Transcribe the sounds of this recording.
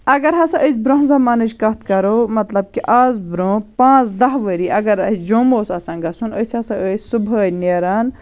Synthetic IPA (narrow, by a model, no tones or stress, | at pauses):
ɐɡɐɾɦɐsɐ̃ʔəs̬ʲbɾõɦzɐmaːnɐt͡ʃkɐt̪kɐɾoːmɐt̪lɐb̚kiʔaːzbɾõːpãːt͡sd̪ɐɦʋəɾiːʔɐɡɐɾɐd͡ʒoːmoːsɐsɐ̃ːŋɡɐsunəsʲɐsɐ̃əsʲsubʱɐːjneɾaːn